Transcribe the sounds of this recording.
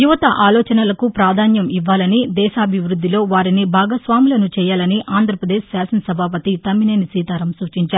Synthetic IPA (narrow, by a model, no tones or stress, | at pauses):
juʋɐt̪ɐʔaːlɔːt͡ʃɐnɐlɐkupɾaːd̪ʱaːnjɐmiʋːaːlɐnid̪ɛːʃaːɐbʱiʋɾud̪ːilo̞ːʋaːɾinibʱaːɡɐsʋaːmilɐnut͡ʃɛːjaːlɐniʔaːnd̪ʱɾɐpɾɐd̪eːʃsjaːsɐnsɐbʱaːpɐt̪it̪ɐmːineːnisiːt̪aːɾɐmsuːt͡ʃiɲt͡ʃaːɾu